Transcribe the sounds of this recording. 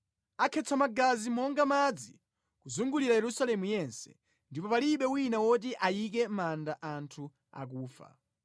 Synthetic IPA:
akʰɛt͡sʰamaɡazimɔŋɡamad͡zi | kuzuŋɡuliɾajɛɾusalɛmujɛnsɛ̥̰ | ndipɔpaliɓɛwinawɔt̬iʔajik̬ɛmandaʔantʰu | a̰k̬uːfa̰

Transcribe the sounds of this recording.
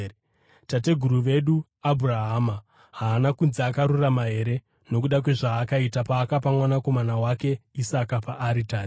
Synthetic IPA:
tate̞ɡʱuɾuʋe̞ɗu | abʱuraɦama | ɦaːnakunzaːkaɾuramaɦe̞ɾe̞ | no̞k̬uɗakwe̞ʐaːkaitapaːkap̬amwanako̞manawake̞isakapaʔːɾitaːi

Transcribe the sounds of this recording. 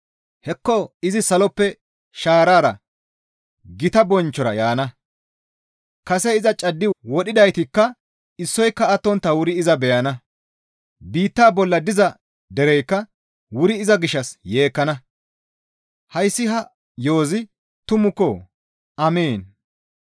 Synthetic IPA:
hɛkːɔɪzɪsɐlɔpːɛ | ʃaːɾaːɾɐ̰ | ɡɪt̪ɐbɔnt͡ʃːɔɾɐ̰jaːnɐ | kɐsɛɪzɐt͡ʃʼɐd̪ːɪwɔɗɪd̪ɐjt̪ɪkːɐ | ɪsːɔjkːɐːt̪ːɔnt̪ːɐwʊɾɪɪzɐbɛjɐnɐ | biːt̪ːaːbɔlːɐd̪ɪzɐ | d̪ɛɾɛjkːɐ | wʊɾɪɪzɐɡɪʃːɐsje̞ːkːɐnɐ | hɐjsːɪɦɐ | jo̞ːzɪ | t̪ʊmʊkːo | ʔɐmeːn

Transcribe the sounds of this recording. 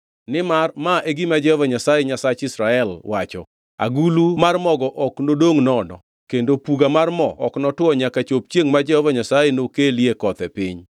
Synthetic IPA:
nɪmarmaʔeɡɪmad͡ʒɛhɔvaɲasajeɲasat͡ʃɪsɾaɛlwat͡ʃɔ̰ | a̰ɡulumarmɔɡɔʔɔknodoŋnɔnɔ̰ | kendopuɡamarmɔ̰ɔ̰knɔtwɔɲakat͡ʃop̚t͡ʃjeŋmad͡ʒɛhɔvaɲasajenokeliekɔt̪ɛpɪ̰ɲ

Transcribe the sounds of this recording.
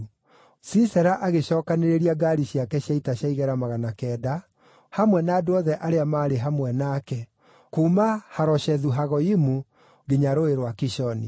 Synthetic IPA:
sisɛɾaʔaɣeɕɔːkaneɾeɾiaɡaɾiɕjakɛɕjaitaɕjaiɣɛɾamaɣanakɛːda | hamwɛnaːdoɔðɛʔaɾeamaːɾeɦamwɛnaːkɛ | kuːmahaɾɔɕɛðuɦaɣɔimu | ɡeɲaɾoeɾwakiʃɔnḭ

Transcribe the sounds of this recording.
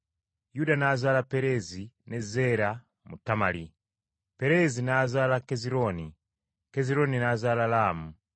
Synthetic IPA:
judanazalapeɾezinezeɾa | mutamali | peɾezinazalakeziɾoni | keziɾoninazalalaːmu

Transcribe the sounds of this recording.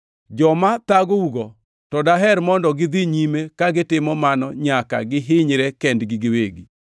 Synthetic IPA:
d͡ʒɔmat̪aɡouɡɔ | tɔdaɦɛɾmɔndɔɡɪd̪iɲimekaɡɪtɪmɔmanɔɲaka̰ɡɪɦɪɲɾɛkɛndɡɪɡɪweɡi

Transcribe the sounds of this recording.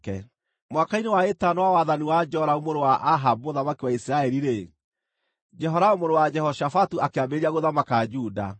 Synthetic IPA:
kɛ̰ | mwakainewaetanowawaðaniwad͡ʒɔɾaumoɾowaʔaɦaboðamakiwaisiɾaɛɾiɾe | d͡ʒɛɦɔɾaomoɾowad͡ʒɛhɔʃafatuakeabeɾiaɣoðamakad͡ʒuda̰

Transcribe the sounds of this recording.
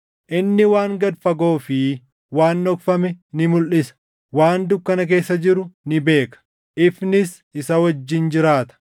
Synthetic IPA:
ʔɪnːɪwaːŋɡɐd̪fɐɡo̞ːfɪ | waːnːɔkfɐmɛnɪmʊlʔɪsɐ̥ | waːnd̪ʊkːɐnɐk̬e̞ːsːɐd͡ʒɪɾʊnɪbe̞ːkɐ̥ | ʔɪfnɪs | ɪsɐwɐd͡ʒːɪnd͡ʒɪɾaːt̪ɐ̥

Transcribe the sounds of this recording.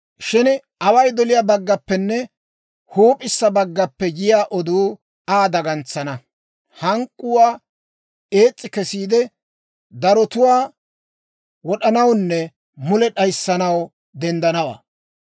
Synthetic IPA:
ʃɪn | ɐwɐjd̪ɔlɪjabɐɡːɐpːɛnːɛ | huːpʼɪsːɐbɐɡːɐpːɛjɪjaːʔɔd̪uː | aːd̪ɐɡɐnt͡sːɐnɐ | hɐŋkʼːʊwaː | e̞ːt͡sʼːɪkɛsiːd̪ɛ | d̪ɐɾɔt̪ʊwaː | wɔɗɐnɐwnːɛ | mʊlɛɗɐjsːɐnɐw | d̪ɛnd̪ɐnɐwa̰ː

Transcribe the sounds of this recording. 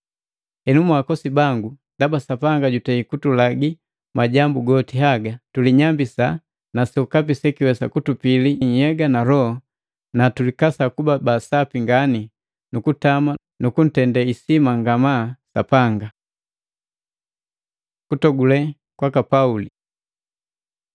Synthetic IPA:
hɛnumuakɔsibaŋɡundabasapaŋɡaɟutɛikutulaɡi | maɟambuɡɔtiɦaɡatuliɲambisa | naskap̬isɛkiwɛsakutupiliɲjɛɡanaɾɔhɔ | natulikasakubabasapiŋɡani | nukutama | nukun̩tɛndaisimaŋɡamasa̰paŋɡa | kutɔɡulɛ | kwakapauli

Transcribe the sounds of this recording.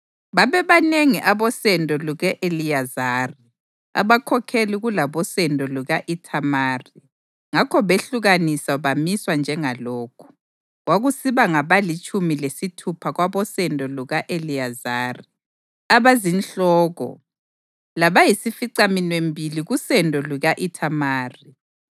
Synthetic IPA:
βaβɛβaneŋiʔaβɔsɛndʱʼɔluɣɛʔelijazaːri | a̰βakʰɔkʰeliɣulaβɔsɛndʱʼɔluɣaʔitʰamaːri | ŋakʰɔβeɬuɣanisaβamiswand͡ʒʱɛŋalɔːkʰu̥ | ɣwaɣusiβaŋaβalit͡ʃʼumilesitʰupʰaɣwaβɔsɛndʱʼɔluɣaʔelijazaːri | aβazint͡ɬɔːɣɔ̰ | laβajisifiǀaminwembʱiliɣusɛndʱɔluɣaʔitʰamaːri

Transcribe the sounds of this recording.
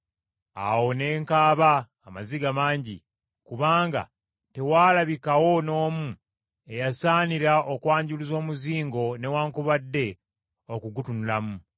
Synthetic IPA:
a̰wo̞ne̞ːŋkaːβaː | maziɡamaːɲɟḭ | kuβaːŋɡa̰ | te̞waːlaβikawo̞no̞ːmu | e̞jasaːniɾaʔokwaːɲɟulizo̞ːmuziːŋɡo̞ne̞waːŋkuβadːe̞ | okuɡutunulamu

